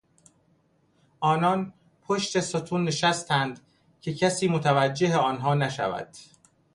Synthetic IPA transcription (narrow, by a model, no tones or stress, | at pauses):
ʔɒːnɒːn | pʰoʃt̪e̞sot̪ʰuːnːe̞ʃæst̪ʰænd̪ | cʰe̞cʰæsiːmot̪ʰævæd͡ʒːe̞ɦeɒːnɦɒːnæʃæ̰væ̰d̪̥